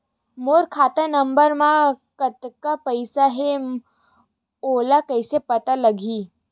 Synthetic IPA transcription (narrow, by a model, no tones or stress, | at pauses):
moːɾkʰaːt̪anəmbəɾmãkɐt̪kapəɪsaɦe | oːlakɐɪsepɐt̪alɐɡʱiː